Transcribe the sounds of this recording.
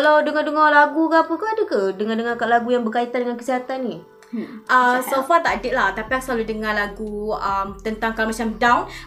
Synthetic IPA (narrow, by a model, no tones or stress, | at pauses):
kalawdəŋadəŋalaɡukapəkadəkadəŋandəŋakalaɡujaŋbərkait̪andəŋankəsiɦat̪anːi | ʔəsofat̪aʔdɪt̪̚laht̪apiasəlaludəŋalaɡuəmt̪ənt̪aŋkalamat͡ʃamdawn